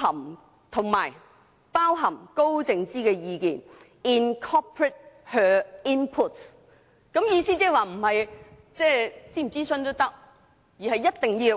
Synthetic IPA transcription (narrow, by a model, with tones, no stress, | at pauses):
ɐ˨˩m | t̪ʰʊ˨˩ŋmaː˨˩j | paː˥wɦɐ˨˩mko˥wt͡sɪ˨˧ŋt͡siː˥kɛː˧jiː˨˧kḭː˨n | i˨nkʰɔ˥pʰɹɛ˨˥t̚hœː˨˧i˥npʰʊ˥t̚s | kɐ˨˥mjiː˧siː˥t͡sɛː˥waː˨˧m̩˨˩hɐ˨j | t͡sɛː˥˩t͡siː˥˩m̩˨˩t͡siː˥sɵ˧nt̪o˥wt̪ɐ˥k̚ | jiː˨˩ɦɐ˨jːɐ˥t̚t̪ɪ˨ŋjiː˧w